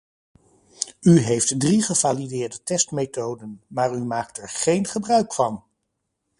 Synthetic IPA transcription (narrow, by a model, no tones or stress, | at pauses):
yɦejftdriχəvaːlidɪːɹdətɛstmetowdənmaːɹymaːktɛɹχejnχəbrœɥkfɑn